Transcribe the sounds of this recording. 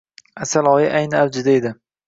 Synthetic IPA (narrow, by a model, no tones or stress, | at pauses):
asalˠɒːjɪʔajnɪawd͡ʒɪd̪aed̪ɪ